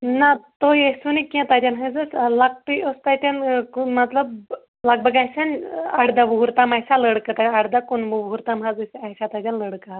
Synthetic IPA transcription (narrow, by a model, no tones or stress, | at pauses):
nat̪ojesunikʲẽt̪ad̪ʲanɦəjd͡zəslak̚t̪iost̪ajt̪enkmət̪ləb | laɡ̚bəɡajsanaɽd̪aʋuɦuɾt̪amajsaləɽkət̪aaɽd̪akunmuʋɦuɾt̪amɦad͡zəsiajsat̪ad̪ʲanləɽka